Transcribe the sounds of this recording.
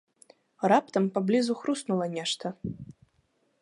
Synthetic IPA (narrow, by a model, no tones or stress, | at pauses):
rapt̪ɐmpablʲizuxɾusnulˠɐnʲɛʂt̪ɐ